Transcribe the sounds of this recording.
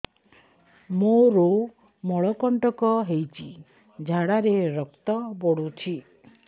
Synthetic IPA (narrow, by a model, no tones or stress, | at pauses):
moɾo | mɔɭɔkɔɳʈɔkɔɦejt͡ʃʰi | d͡ʒʱaɽaɾeɾɔkt̪ɔbɔɽut͡ʃʰi